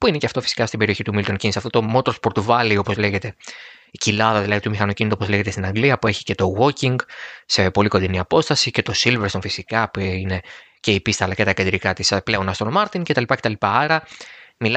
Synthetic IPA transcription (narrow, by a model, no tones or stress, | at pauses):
puine̞ceɐft̪o̞fi̥si̥kɐst̪ibe̞ɾio̞çit̪umilit̪ocinisɐft̪ot̪o̞mo̞t̪ɾospo̞ɾt̪uvɐlio̞po̞zle̞ʝe̞t̪e̞icilɐðɐðilɐðit̪umixɐno̞cinit̪opozleʝet̪est̪inɐŋɡliɐpue̞çi̥ce̞t̪o̞ɣo̞ciŋɡse̞po̞liko̞nd̪iniɐpo̞st̪ɐsice̞t̪o̞silveɾst̪o̞nfisikɐpuine̞ | ce̞ipist̪ɐlɐce̞t̪ɐced̪ɾikɐt̪isple̞o̞nɐst̪onmɐɾt̪ince̞t̪ɐlipɐce̞t̪ɐlipɐɐɾɐmil